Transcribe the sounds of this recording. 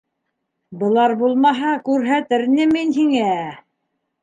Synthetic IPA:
bɤ̆lˠɑɾbulˠmɑɦɑkʉɾɦæt̪ɘɾnɘminɦiŋæ

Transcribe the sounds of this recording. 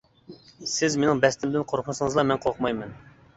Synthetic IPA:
sɪzmenɪŋbɛst̪ɪmd̪ɪnqʰoɾqʰʊmsəŋəzlˠɑmɛnqʰoqʰmɑjmɛn

